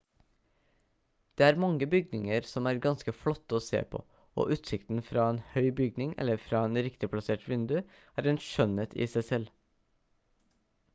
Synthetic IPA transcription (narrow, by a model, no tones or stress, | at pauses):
d̪̥eːæːɾmɑŋəbʏɡ̚nɪŋəɾsɔmæːɾɡɑnskəflɔt̪ːəoːsḛːpʰo̰ː | o̰ːʔʉːt̪sɪkt̪n̩fɾɑːeːnhœʏbʏɡ̚nɪŋʔɛ̰lːəɾfɾɑːeːnɾɪkt̪ɪpʰlɑseːʈʋɪnd̪ʉ | æːɾɛːnʃœnət̪ʰɪ̰ːsæɪsɛl